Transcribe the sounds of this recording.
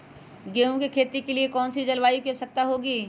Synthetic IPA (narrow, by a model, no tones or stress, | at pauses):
ɡeːũkekʰeːt̪ikeliekɔːnsid͡ʒɐlʋaːikeɾsɐk̚t̪aɦoːɡiː